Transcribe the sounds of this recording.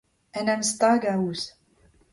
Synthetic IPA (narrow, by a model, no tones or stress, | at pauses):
ænæməst̪ˤɑɡæus